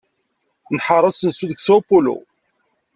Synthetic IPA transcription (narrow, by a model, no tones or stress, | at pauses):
nħɑɾˤɑsənsuðəksæpulṵ